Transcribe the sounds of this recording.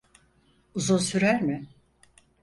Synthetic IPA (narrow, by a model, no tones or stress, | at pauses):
uzunsyɾæɾmɪ